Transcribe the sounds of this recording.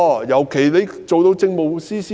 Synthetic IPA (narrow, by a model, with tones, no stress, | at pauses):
jɐ˨˩wkʰe˨˩jle˨˧j | t͡so˨wt̪o˨˧wt͡sɪ˧ŋmo˨˧wsiː˥siː˥